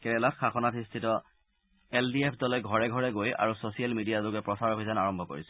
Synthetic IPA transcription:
kɛɹɛlatxaxɔnatistʰitɔ | ɛldiepʰdɔlɔɡʱɔɹɛɡʱɔɹɛɡoja̰ɹusosijalmidijalukɛpɹɔsaɹobʱizanaɹɔmbʱɔko̰ɹisɛ

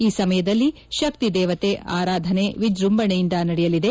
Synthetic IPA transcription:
iːsɐmɐjɐd̪ɐlːi | ʃɐk̚t̪id̪ɛːʋɐt̪eʔa̰ːɾaːd̪ʱɐneʋid͡ʒɾumbɐɳejind̪ɐnɐɽɛjɐlid̪e̞

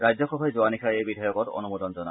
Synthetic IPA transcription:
ɹajd͡ʑzɔxɔbʱajzowanikʰajebidʱajɔkɔtɔ̰numud̪ɔnzɔna̰

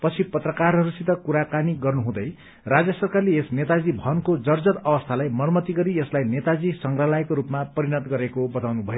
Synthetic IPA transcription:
pʌt͡sʰipʌt̪rʌkarɦʌɾusit̪ʌkuɾakaniɡʌrnuɦũd̪ʌj | rad͡zjʌsʌrkarleesnet̪ad͡zibʱʌnkod͡zʌrd͡zʌt̪ʌbʌst̪ʰalajmʌrmʌt̪iɡʌɾiʌslajnet̪ad͡zisʌŋɡralajkoɾupmapʌɾinʌt̪ɡʌɾekobʌt̪awnubʱʌjo

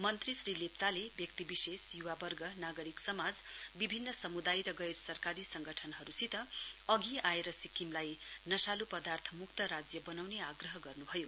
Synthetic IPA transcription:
mʌnt̪risrilep̚t͡salebjʌk̚t̪ibisesjuwabʌrɡʌnaɡʌɾiksʌmad͡zbibʱinːʌsʌmud̪ajɾʌɡʌjrsʌrkaɾisʌŋɡʌʈʰʌnɦʌɾusit̪ʌʌɡiaeɾʌsikimlajnʌsalupʌd̪art̪ʰʌmukt̪ʌɾad͡zjʌbʌnawneaɡrʌɦʌɡʌrnubʱʌjo

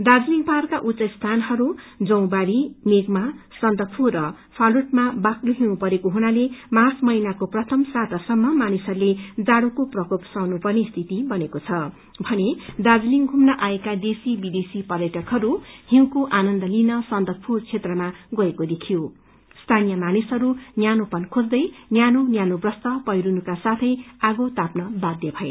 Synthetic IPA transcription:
d̪ad͡zliŋɡparkaʔut͡sʌst̪ʰanɦʌɾud͡zʌw̃baɽimeɡmasʌntd̪ʌpʰurʌ | pʰaluʈmabakluɦĩw̃pʌɾekoɦuɽ̃alemat͡smʌjnakoprʌt̪ʰʌmsat̪ʌsʌmːʌmanisʌrled͡zaɽukoprʌkopsʌwnupʌrnest̪ʰit̪ibʌnekot͡sʰʌ | bʱʌned̪ad͡zliŋɡʱumnʌʔaekad̪esibid̪esipʌrjʌʈʰʌkɦʌɾuhĩw̃koʔanʌnd̪ʌlinʌsʌnd̪ʌk̚pʰurt͡sʰet̪rʌmaɡʌekod̪ekʰijo | st̪ʰanijʌmanisʌɾunjanopʌnkʰod͡zd̪ʌjnjanonjanobrʌst̪ʌpʌjɾunukasat̪ʰʌjaɡot̪apnʌbad̪jʌbʱʌḛ

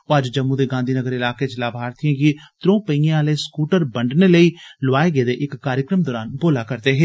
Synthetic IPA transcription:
oːəd͡ʒd͡ʒəmːũːd̪eːɡãːnd̪ʱiːnəɡəɾɪlaːkeːt͡ʃlaːbʱaːɾt̪ijãːɡiːt̪ɾõːpəiãleːskuːʈəɾbəɳɖneːləiːlʊʋaːeɡeːd̪eːʔɪkːaːɾjəkɾəmd̪ɔːɾaːnboːlaːkəɾt̪eːɦɛ̃ː

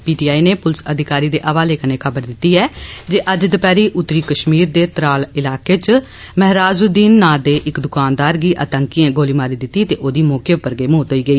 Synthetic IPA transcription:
piːʈiːaːiːneːpʊlsəd̪ʱɪkaːɾiːd̪eːʔəːʋaːleːkəneːkʰəbəɾd̪ɪt̪ːiːɛːd͡ʒeːʔəd͡ʒd̪əpɛːɾiːʔʊt̪ːɾiːkəʃmiːɾd̪eːt̪ɾaːlɪlaːkeːt͡ʃ | məɦɾaːd͡ʒuːd̪iːnːaːd̪eːʔɪkd̪ʊkaːnd̪aːɾɡiːʔət̪əŋkiːẽːɡoːliːmaːɾiːd̪ɪt̪ːiːt̪eːʔoːd̪iːmoːkjepəɾɡeːmoːt̪ɦoːiːɡəiː

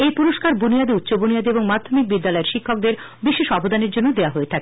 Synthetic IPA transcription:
ejpuɾoʃkaɾbunijad̪eut̪ːɕobunijad̪eboŋmad̪ʱːomik̚bid̪ːalɔeɾʃikʰːok̚d̪eɾ | biʃeʃɔbod̪aneɾd͡ʑonːod̪eaɦoet̪ʰake

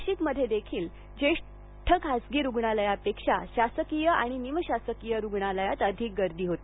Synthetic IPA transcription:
ɕiːkməd̪ʱːjed̪ekʰiːl | d͡ʑeʂ | ʈʰəkɦad͡zɡiːɾuɡɳaləjapekʂaɕasəkijəaɽ̃iniməɕasəkijəɾuɡɳaləjat̪əd̪ʱiːk̚ɡəɾd̪iːɦot̪e

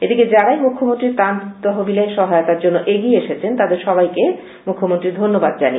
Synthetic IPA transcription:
ed̪iked͡ʑaɾajmukʰːomont̪ɾiɾt̪ant̪ɔɦobilaeʃɔɦajot̪aɾd͡ʑonːoʔeɡieeʃet͡ɕʰent̪ad̪eɾʃɔbajke | mukʰːomont̪ɾiɾd̪ʱonːobad̪d͡ʑani

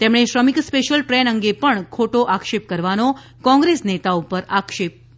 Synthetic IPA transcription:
t̪emɳeʃɾəmikspeʃəlʈɾɛnəŋɡepəɳkʰoʈoʔakʃep̚kəɾʋano | kɔ̃ŋɡɾesnet̪aupəɾakʃep̚

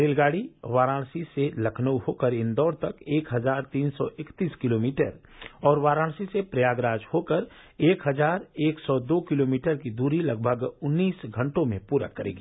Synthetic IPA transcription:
ɾeːlɡaːɽiʋaːɾãːɽsiselɐkʰnəuhoːkəɾɪnd̪ɔːɾt̪ɐkeːkɦɐzaːɾt̪iːnsɔ̰ʔɪkt̪iːskɪloːmiːʈəɾ | ɔːɾʋaːɾãːɽsisepɾɐjaːɡɾaːd͡ʒhoːkəɾ | eːkɦɐzaːɾeːksɔd̪oːkɪloːmiːʈəɾkid̪uːɾilɐɡ̚bʱəɡʊnːiːsɡʱə̃ɳʈõmẽpuːɾa̰kɐɾḛːɡiː

